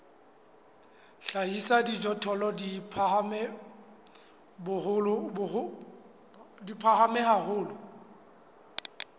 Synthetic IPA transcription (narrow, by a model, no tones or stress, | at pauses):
ɬaisadid͡ʒɔtʰɔlɔdipʰmɛ | bʊhʊlʊ | dipʰahamɛhahʊːlʊ